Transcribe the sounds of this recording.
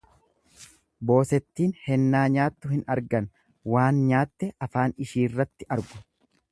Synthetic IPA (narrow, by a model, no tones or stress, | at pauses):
bo̞ːsɛt̪ːiːnhɛnːaːɲaːt̪ːʊhɪnɐɾɡɐn | waːnɲaːt̪ːɛɐfaːnɪʃiːrːɐt̪ːɪʔɐɾɡʊ̥